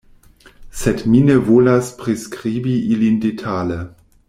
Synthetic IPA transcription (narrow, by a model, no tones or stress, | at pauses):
sɛtminəvoːlaspʁeskʁiːbiʔilindetʰaːlə